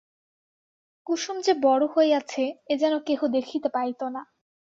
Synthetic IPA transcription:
kuʃumd͡ʑebɔɽohoeat͡ɕʰeed͡ʑɛnokeɦod̪ekʰit̪epaɾjt̪ona

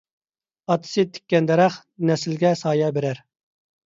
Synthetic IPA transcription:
ɑt̪ʰɨ̥sɨt̪ʰi̥kʲːɛnd̪ɛɾæχ | nɛsɪlɡʲɛsɑːjɑbeɾæɾ

